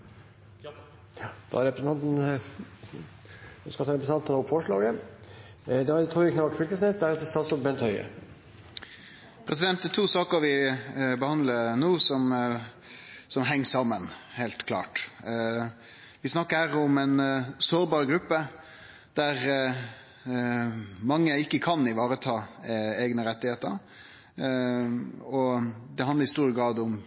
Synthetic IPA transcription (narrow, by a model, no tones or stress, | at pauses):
d̪̥ɑ̰æɾɛpɾɑnt̪n | skɑlt̪ʰɑːɾɛpɾsɑnt̪ənɔpfɔʂɭɑːɡə | d̪ɛɑɾt̪ʰɾuːɾɪkʰnɑlt̪fʏlk̪əsnɪt̪̚d̪æɾɛt̪ɛst̪ʰɑsɔbɛnt̪hœʏə̰ | pʰɾɛsɪd̪ɛnt̪d̪ɛt̪ʰuːsɑːkəɾʋɪbəhɑnd̪ləɾnuːsɔm | sɔmɦɛŋːsɑmːənheːlt̪kʰlɑ̰ːʈ | ʋɪsnɑkːəɾhæːɾʊmɛnsoːɾbɑːɾɡɾʉpːə | d̪̥æɾ | mɑŋːəɪkːəkʰɑnɪʋɑːɾət̪ʰɑːeːɡnəɾɛt̪ːɪheːt̪ə̰ɾ | ɔd̪ɛhɑnd̪əɾɪst̪uːɾəɡɾɑːd̪ʊm